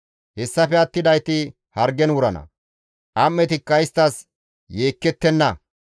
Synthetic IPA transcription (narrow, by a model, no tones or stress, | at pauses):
hɛsːɐpɛɐt̪ːɪd̪ɐjt̪ɪ | hɐɾɡɛnwʊɾɐnɐ̰ | ʔɐmːɛt̪ɪkːɐɪst̪ːɐs | jeːkːɛt̪ːɛnːɐ